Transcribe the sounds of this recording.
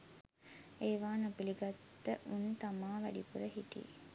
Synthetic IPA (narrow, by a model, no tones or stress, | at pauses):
eːʋaːnəpiliɡat̪ːəʔunt̪amaːʋæ̰ɖḭpuɾəɦiʈḭ